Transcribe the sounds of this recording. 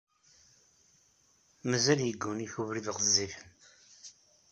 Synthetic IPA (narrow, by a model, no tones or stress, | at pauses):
məzæljəɡːuniçuvɾiðʁzːifən